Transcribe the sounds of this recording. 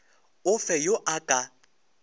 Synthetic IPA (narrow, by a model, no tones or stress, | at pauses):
ʊfɛjoʔakʼa